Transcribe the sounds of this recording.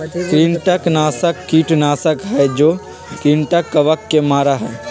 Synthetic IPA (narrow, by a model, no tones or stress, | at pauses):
kɾiːɳʈəknaːsəkːiːʈnaːsəkɦɛd͡ʒoː | kɾiːɳʈəkːɐʋəkːemaːɾaɦɛː